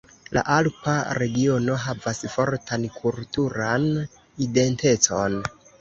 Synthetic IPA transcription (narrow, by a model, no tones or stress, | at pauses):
la̰ʔalpaɾe̞ɡio̞no̞ɦavasfo̞ɾtankʰultuɾan | ide̞nte̞t͡so̞̰n